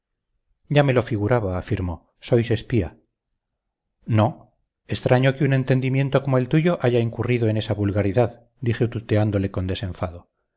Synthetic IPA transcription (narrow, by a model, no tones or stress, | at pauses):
ɟ͡ʝame̞lo̞fiɣuɾaβaːfiɾmo̞ | so̞jse̞spia̰ | no̞ | e̞st̪ɾaɲokeune̞nt̪e̞nd̪imje̞nt̪o̞ko̞moe̞lt̪uʝo̞ʔaʝaiŋkuriðoe̞ne̞saβulɣaɾiðað | d̪ixet̪ut̪e̞and̪o̞le̞ko̞nd̪e̞sẽ̞ɱfaðo